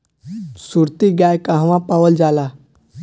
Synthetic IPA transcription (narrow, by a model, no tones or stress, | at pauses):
suɾt̪iɡjajkãɦʋãpaʋəld͡zala